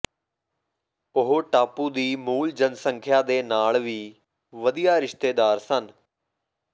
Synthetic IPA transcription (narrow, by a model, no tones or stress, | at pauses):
ʊɦoːʈaːpuːd̪iːmuːld͡ʒənsəŋkʰjaːd̪eːnaːlʋiː | ʋəd̪ijaːɾɪʃt̪eːd̪aːɾsən